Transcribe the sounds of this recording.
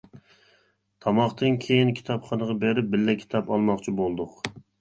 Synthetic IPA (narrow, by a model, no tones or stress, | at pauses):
t̪ʰɑmɑχt̪ɨnkʲʰejinkʲʰi̥t̪ʰɑpχɑnəʁɑbeɾɪp̚bɪlːɛkʲʰi̥t̪ʰɑpɑlˠmɑχt͡ʃʰibolˠd̪ʊq